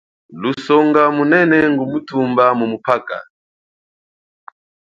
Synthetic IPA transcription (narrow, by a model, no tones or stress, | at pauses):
lusɔŋɡamunɛnɛŋɡumutumbamumupaka̰